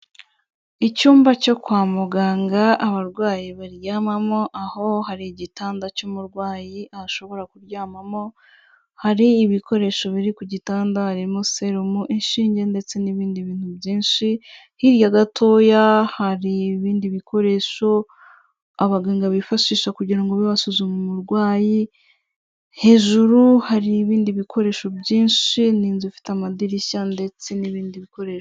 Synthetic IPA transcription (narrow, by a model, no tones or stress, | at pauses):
icuːmbaco̞kwaːmuɡaːŋɡaaβaɾɡwaːjiβaɾjaːmamo̞ʔaho̞haɾiɟitaːndacumuɾɡwaːjiʔaaʃo̞βo̞ɾakuɾjaːmamo̞ | haɾiːβikʰo̞ɾe̞ʃo̞βiɾikuɟitaːndahaɾimuse̞ɾumuʔinʃiːɲɟe̞nde̞t͡se̞niβiːndiβiːn̥hubɟiːnʃi | hiɾjaɡatʰo̞ːjahaɾiβiːndiβikʰo̞ɾe̞ʃo̞ | aβaɡeːŋɡaβifaʃiːʃakuɟiɾaŋɡoβiβasuzumemuɾɡwaːji | he̞ːʒuɾuhaɾiːβiːndiβikʰo̞ɾe̞ːʃo̞bɟiːnʃiniːnzufi̥tamadiɾiçande̞t͡se̞niβiːndiβiko̞ɾe̞ːʃo